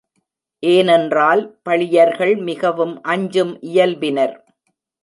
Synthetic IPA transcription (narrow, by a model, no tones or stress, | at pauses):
ʔeːnɛndraːlpɐɭɪjɐɾɣɐɭmɪɣɐʋɯmʔɐɲd͡ʒɯmʔɪjɐlbɪnɐɾ